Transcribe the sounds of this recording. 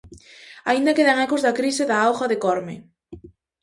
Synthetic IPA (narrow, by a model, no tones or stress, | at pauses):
aind̪ɐkeðaŋɛkʊzðɐkɾisɪðaawɣaðekɔɾmḛ